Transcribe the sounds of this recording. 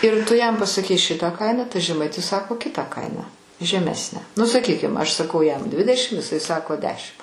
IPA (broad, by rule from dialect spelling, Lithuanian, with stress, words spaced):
ɪr ˈtʊ jɛm pɐsɐˈkʲɛɪ ˈʃʲɪtɑː ˈkɐɪnɑː tɐɪ ʒʲɛˈmɐɪtʲɪs ˈsɑːkoː ˈkʲɪtɑː ˈkɐɪnɑː ʒʲɛˈmʲæːsʲnʲæː nʊ sɐˈkʲiːkʲɪm ɐʃ sɐˈkɐʊ jɛm ˈdʲʋʲɪdʲɛʃʲɪm ɪˈsɐɪ ˈsɑːkoː ˈdʲæːʃʲɪmt